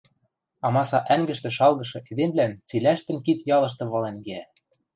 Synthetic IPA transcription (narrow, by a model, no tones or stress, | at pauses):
ɑmɑsɑʔæŋɡɘ̆ʃt̪ɘ̆ʃɑlˠɣɤ̆ʃɤ̆ʔed̪emβlænt͡silæʃt̪ɘ̆nkit̪jɑlɤ̆ʃ̬t̪ɤ̆βɑlenɡeæ